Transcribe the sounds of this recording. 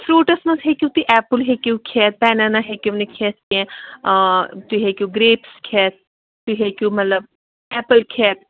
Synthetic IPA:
fʰɾuːʈɐsmɐnsɦekʲut̪uʔɛːpɨlɦekʲukʰɛːt̪̚pɛːnanaɦekʲunikʰeːskʲẽ | t̪uɦekʲuːɡɾeːpskʰɛːt̪̚ː | uɦekʲuːmɐt̪ləb̚ | ɛːpəlkʰɛːt̪̚

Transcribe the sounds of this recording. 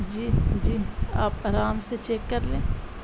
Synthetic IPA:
d͡ʒiːd͡ʒiːaːpaːɾaːmset͡ʃeːkːɐɾlẽː

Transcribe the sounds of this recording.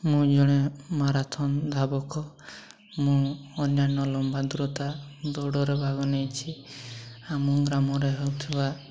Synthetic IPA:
mũd͡ʒɔɽ̃emaɾat̪ʰɔnd̪ʱabɔkɔ | mũːnjanɔlɔmbad̪uɾɔt̪ad̪ɔɽɔɾebʱaɡɔnejt͡ʃʰi | amɔɡɾamɔɾeɦewt̪ʰiba

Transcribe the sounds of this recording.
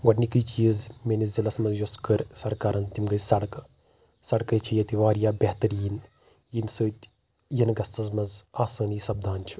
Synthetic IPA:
ɡɐʈnikɨjt͡ʃiːzmenizilɐsmɐzjoskəɾsɐɾkaːɾɐnt̪imɡɐsɐɽk | sɐɽkɐjt͡ʃʰɐjɐt̪iʋaːɾjaːbʲeht̪ɐɾiːn | jimʲsəːt̪ʲ | jɐnɡɐst̪ɐzmɐzaːsaːniːsɐb̚d̪ʱaːnt͡ʃʰu̥

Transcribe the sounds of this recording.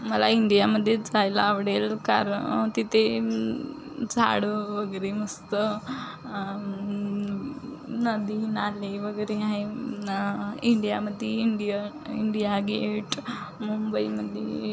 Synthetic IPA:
məlaiɳɖijaməd̪ʱːjed͡zʱajlaːʋɽelka̰ɾt̪it̪ʰe | d͡zʱa̰ɽəʋəɡəɾeməst̪ə | nəd̪inaleʋəɡəjɾeɦae | iɳɖijaməd̪ʱːjeiɳɖijə | iɳɖijaɡeʈmumbəiməd̪ʱje

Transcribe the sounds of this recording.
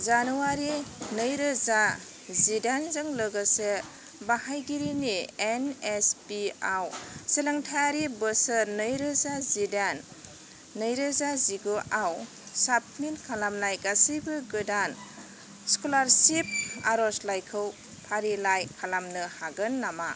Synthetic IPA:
zanuaɾinɯjɾɯza | zidanzɯŋləɡəse | bahajɡiɾinienespiawseleŋtʰajaɾibəsəɾnɯjɾɯzazidanː | ɯjɾɯzaziɡoʔaw | sap̚minkʰalamnajɡasɯjbɯɡɯdan | skolaɾsip̚a̰ɾɔslajkʰɯw | pʰaɾilajkʰalamnɯhaɡɯnːama

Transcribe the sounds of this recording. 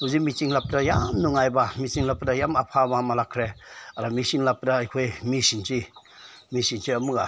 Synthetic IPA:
uzimit͡ʃiŋlap̚dajamnuŋajbamit͡ʃiŋlap̚dajamapʰamamalakʰɾeaɾamisiŋlap̚daːjkʰojmisinsi | misinsiamɯɡa

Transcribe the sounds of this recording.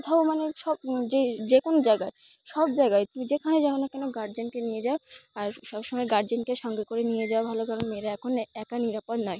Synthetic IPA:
t̪ʰaomaneʃɔb̚d͡ʑed͡ʑekonod͡ʑajɡae | ʃɔbd͡ʑaeɡaet̪umid͡ʑekʰaned͡ʑɔɾonakɛnoɡaɾd͡ʑenkenijed͡ʑaoaɾʃɔbʃomɔeɡaɾd͡ʑenkeʃɔŋɡekoɾenijed͡ʑaobʱalokaɾonmeɾaɛkʰonɛkaniɾapod̪nɔe

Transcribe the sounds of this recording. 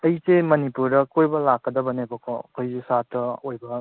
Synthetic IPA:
ɐjsemɐnipuɾdɐkʰojbɐlakːɐdɐbɐnebɐkʰɔkʰojzusatːɐojbɐ

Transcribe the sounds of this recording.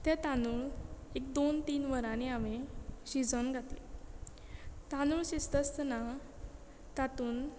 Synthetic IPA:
t̪ɛ̃t̪anuːɭekd̪ont̪iːnʋəɾaniameɕid͡zɔnɡʱat̪lḛ | t̪anuɭɕist̪əst̪na | t̪at̪uːn

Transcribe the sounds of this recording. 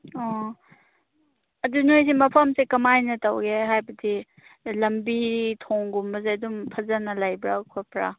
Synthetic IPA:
ɔ | ɐdunojsimɐpʰɐmsekɐmajnɐtɐwɡeɦajbɐdi | lɐmbiɾitʰoŋɡumbɐzeɐdumpʰɐzanɐlajbɾakʰopɾa̰

